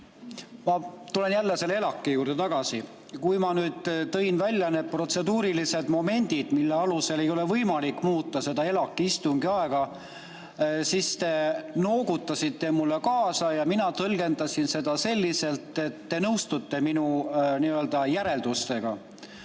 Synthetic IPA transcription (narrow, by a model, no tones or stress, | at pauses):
mɑt̪ule̞njælːese̞lːeelɑkːˑejuːrd̪e̞t̪ɑɡ̥ɑsi | kujmɑnyːd̪̥t̪ːɤ̞jnvælʲjɑnet̪̚pro̞t̪se̞d̪uːɾilise̞d̪̥mo̞me̞nʲd̪̥id̪̥milːe̞ɑluse̞le̞jo̞le̞vɤjmɑlikːˑmuːt̪ːɑse̞d̪ɑe̞lɑkːiist̪uŋɡiɑeɡ̥ɑ | sist̪e̞no̞ːɡut̪ːɑsit̪ːˑemulːe̞kɑːsɑjɑminɑt̪ɤlɡ̥e̞nd̪ɑsinse̞d̪̥ɑse̞lʲːise̞lt̪ːˑe̞t̪ːe̞nɤwst̪ut̪ːe̞minuniːø̞ld̪̥ɑjæɾe̞ld̪ust̪e̞ɡ̥ɑ